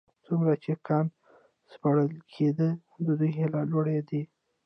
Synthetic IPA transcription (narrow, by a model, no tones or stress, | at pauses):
t͡sumɾat͡ʃekʰɑn | spaɽəlkʰed̪ə | d̪əd̪ujelɑlwaɽed̪e